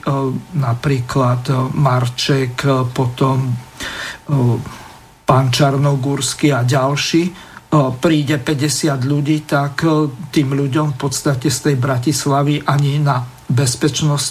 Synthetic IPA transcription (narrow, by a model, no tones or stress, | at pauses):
napɾiːklat̪maɾt͡ʃɛkpɔt̪ɔm | pant͡ʃaɾnɔɡuɾskiaɟalʃiːpɾiːɟɛpɛɟɛsɪad̪ʎuɟiːt̪akt̪iːmʎuɟɔmfpɔt̪st̪acɛst̪ɛjbɾacislaʋiʔaɲina | bɛspɛt͡ʃnɔs